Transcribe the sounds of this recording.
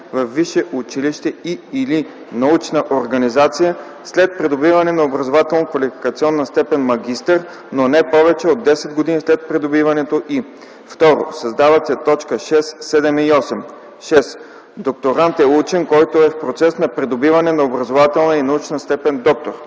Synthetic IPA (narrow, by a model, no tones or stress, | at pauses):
vɐfːiʃɛʔut͡ʃiliʃt̪ɛiili | nɐut͡ʃnəʔoɾɡɐnizat̪sijə | slɛt̪̚pɾɛd̪obivɐnɛnɐobɾɐzovat̪ɛlˠnəkvɐlifi̥kɐt̪siɔnːɐst̪ɛpɛnmɐɡʲist̪əɾ | nonɛpɔvɛt͡ʃɛod̪ːɛsɛd̪ɡod̪inislɛt̪̚pɾɛd̪obivɐnɛt̪oʔi | ft̪ɔɾo̰sɐzd̪avɐt̪sɛt̪ɔt͡ʃkəʃɛsːɛd̪ɛmiɔsɛm | ʃɛs | d̪ok̚t̪oɾant̪ɛut͡ʃɛnkɔjt̪oɛfpɾot̪sɛsnɐpɾɛd̪obivɐnɛnɐobɾɐzovat̪ɛlˠnəinɐut͡ʃnəst̪ɛpɛnd̪ɔk̚t̪oɾ